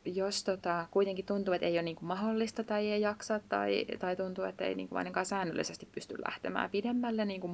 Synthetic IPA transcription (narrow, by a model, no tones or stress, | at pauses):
jost̪ot̪ɑkuit̪eŋkit̪t̪unt̪uːet̪ejonniːŋkummɑholːist̪ɑt̪ɑiejɑksɑt̪t̪ɑ̰it̪ɑit̪unt̪uːet̪ːḛinḭːŋkuʔɑ̰ineŋkɑːsæːnːø̰lːḭsest̪i̥ppyst̪yllʔæ̰ht̪emæ̰ːpidemːælːenniːŋkum